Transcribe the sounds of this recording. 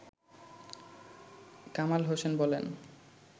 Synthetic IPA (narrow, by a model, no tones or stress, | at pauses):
kamalɦosenbɔlen